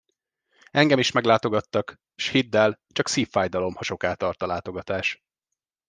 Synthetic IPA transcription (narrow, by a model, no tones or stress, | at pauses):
ɛŋɡɛmiʃmɛɡlaːt̪o̞ɡɒt̪ːɒk | ʃhid̪ːɛlt͡ʃɒksiːfːaːjd̪ɒlo̞mhɒʃo̞kaːt̪ɒrt̪ɒlaːt̪o̞ɡɒt̪aːʃ